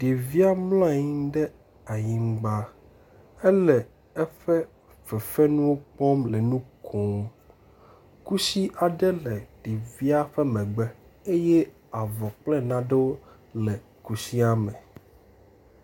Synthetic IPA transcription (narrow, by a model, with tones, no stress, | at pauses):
ɖ̥e˨vi˦a˦mlã˦˨ɲĩ˦ɖɛ˦ | a˨ɲĩ˨m˦ɡ͡ba˦ | ɛ˦lɛ˨ | ɛ˦ɸɛ˦ | vɛ˨fɛ˦nũ˦wo˦k͡pɔ˦mlɛ˨nũ˦kʰɔ˨˦ | ku˦si˦ʔa˨ɖɛ˦lɛ˨ɖ̥e˨vi˦a˦ɸɛ˦mɛ̃˨ɡ͡bɛ˦ | e˦je˦ | a˨vɔ˨k͡plɛ˦nã˦ɖe˦wo˦ | lɛ˨ | ku˨si˦a˦mɛ̃˨